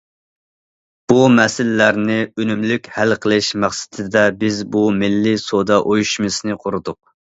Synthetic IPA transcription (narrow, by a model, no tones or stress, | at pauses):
b̥umɛsɪlːæɾnɪønymlykʲhælqʰəlˠɪʃmæχsɪ̥t̪ʰɪd̪ɛbɪzbumɪlːɪsod̪ɑʔojuʃmɨsnɨqʰʊɾud̪ʊq̚